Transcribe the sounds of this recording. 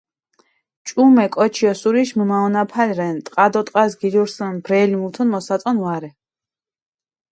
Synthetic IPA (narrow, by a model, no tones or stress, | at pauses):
t͡ʃʼumɛkʼɔt͡ʃʰiɔsuɾiʃməmaɔnapʰalɾɛnt̪ʼqʼad̪ɔt̪ʼqʼasɡiluɾsɛnbɾɛlimult̪ʰɔnmɔsat̪ʼɔnvaɾɛ